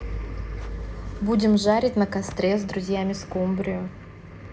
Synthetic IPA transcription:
budʲɪmʐaɾʲɪtʲnəkɐst̪ɾʲezd̪ɾʊzʲjamʲɪskumbɾʲɪjʊ

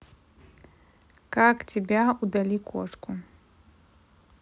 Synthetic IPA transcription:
kaktʰʲebʲaud̪alʲikʷʰɔ̰ʈ͡ʂkʷu

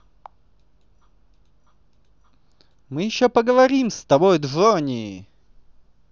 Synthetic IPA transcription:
mɨjɪɕːopəɡəvɐɾʲimst̪ɐbojd̪ʐonʲɪɪ

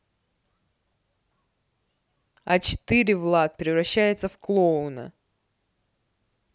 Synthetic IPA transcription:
ɐt͡ɕɪ̥t̪ɨɾʲɪvlˠat̪̚pʲɾʲɪvrɐɕːæjʊt̪səfklˠoʊnə̰

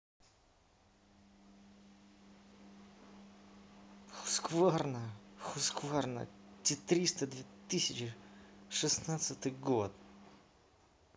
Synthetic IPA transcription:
xʊ̥skvarnəxʊskvarnə̰tʲɪt̪ɾʲist̪əd̪vʲɪt̪ɨsʲɪt͡ɕɪʂɨsnat̪sɨt̪ɨjɡot̪

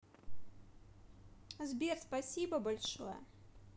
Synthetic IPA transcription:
zbʲɛrspasʲibɐbalʲʂo̰jɛ̰

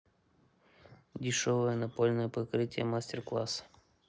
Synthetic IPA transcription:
dʲɪʂovəjənɐpolʲnəjəpɐkɾɨtʲɪjəmasʲtʲɪrklˠa̰sə̥

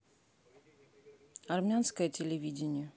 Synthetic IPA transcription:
ɐrmʲanskəjətʲɪlʲɪvʲidʲɪnʲɪjə

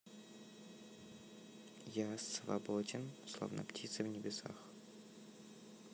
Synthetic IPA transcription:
jasvɐ̰bodʲɪnslˠo̰vnə̰ptʲit̪sɨvnʲɪbʲɪsa̰x

